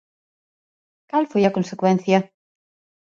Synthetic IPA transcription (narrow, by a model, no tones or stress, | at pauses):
kalfojakonsekwẽnθja